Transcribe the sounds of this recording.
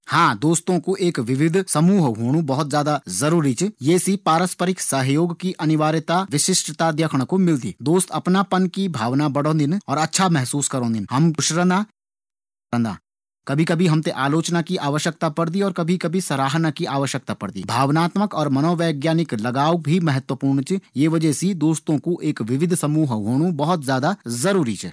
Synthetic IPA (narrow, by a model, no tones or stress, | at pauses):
hãːd̪oːst̪õkoʔeːkʋɪʋɪd̪ʱsɐmuːɦɦoːɽ̃ubɐɦʊt̪zjaːd̪azɐɾuːɾit͡ʃjeːsipaːɾəspəɾɪksɐɦjoːɡkiʔɐnɪʋaːɾɪt̪aʋɪʃɪʃʈt̪ad̪jɐkʰəɽ̃komɪld̪ḭːd̪oːst̪ʰɐpnapɐnkibʱaːʋnabɐɽõːnd̪ɪnɔːɾɐtːʃʰamɛɦsuːskɐɾõːnd̪ɪnhɐmʊʃɾə̃nd̪a | ə̃nd̪a̰ː | kɐbʱikɐbʱiɦɐmt̪eʔaːloːt͡ʃnakiʔaːʋəʃjək̚t̪apɐɽd̪iɔːɾkɐbʱikɐbʱisɐɾaːɦnakiaːʋəʃjək̚t̪apɐɽd̪ḭːbʱaːʋnaːt̪məkɔːɾmɐnɔːʋɛːɡjaːnɪklɐɡaːʋək̚bʱimɛɦət̪wəpuːɾɳt͡ʃjeʋɐd͡ʒɛsid̪oːst̪õkuʔeːkʋɪʋɪd̪ʱsɐmuːɦɦoːɽ̃ũbɐɦʊt̪zjaːd̪azɐɾuːɾit͡ʃʰɛ̰